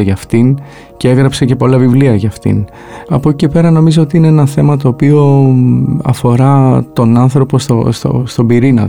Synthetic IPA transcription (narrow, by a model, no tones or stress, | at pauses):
eʝɐft̪in | cee̞ɣɾɐpse̞ce̞po̞lɐvivliɐʝɐft̪ḭn | ɐpocicepe̞ɾɐno̞mizoo̞t̪iinee̞nɐθe̞mɐt̪o̞ːpio̞ | ɐ̰fo̞ɾɐt̪o̞nɐnθɾo̞po̞st̪o̰st̪o̰st̪o̞biɾinɐ̰t̪